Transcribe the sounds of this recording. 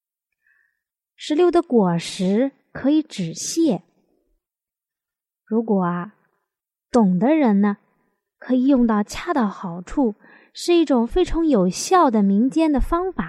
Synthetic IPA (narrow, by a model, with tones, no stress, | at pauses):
ʂɻ̩˧˥ljo˥˩ʊd̪ə˦kwɔ˨˩ʂɻ̩˧˥ | kʰɤ˧˥i˧˥ʈ͡ʂɻ̩˨˩ɕjɛ˥˩ | ɻu˧˥kwɔ˨˩ɐ˦ | t̪ʊ˨˩ŋd̪ə˦ɻə˧˥nnə˧ | kʰɤ˧˥i˨˩jʊ˥˧ŋt̪ɑ˥˧ʊt͡ɕʰja˥˩d̪ə˨˩xɑ˨˩ʊʈ͡ʂʰu˥˩ | ʂɻ̩˥˧i˥˩ʈ͡ʂʊ˨˩ŋfe˥ɪʈ͡ʂʰɑ˧˥ŋjo˨˩ʊɕjɑ˥˩ʊd̪ə˩mi˧˥ŋt͡ɕjɛ˥nd̪ə˨fɑ˥ŋfa˨˩˦